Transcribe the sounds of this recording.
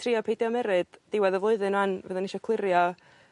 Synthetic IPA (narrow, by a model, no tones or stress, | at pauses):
tʰriɔpʰejdjɔmɛɾɨd̥d̥ɪwɛðəvlˠʊɨðɨnanvəðɛnɪʃɔkʰlˠɪɾjɔ